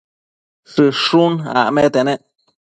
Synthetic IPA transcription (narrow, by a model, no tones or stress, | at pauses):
ʂɨʂuna̰met̪eneʔ